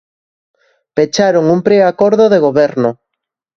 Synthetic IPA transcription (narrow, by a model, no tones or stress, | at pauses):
pet͡ʃaɾoŋumpɾeakoɾðoðeɣ̞oβɛɾnʊ